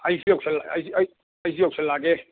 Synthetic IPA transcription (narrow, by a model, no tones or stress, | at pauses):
ɑisiokselːɑisi | ɑisiokselːɑɡe